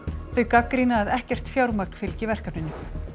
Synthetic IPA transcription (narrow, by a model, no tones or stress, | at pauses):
θœɥkakɾinaːðɛhcɛr̥t̪fjawɾmakn̥fɪlcɪvɛr̥kapnɪnːʏ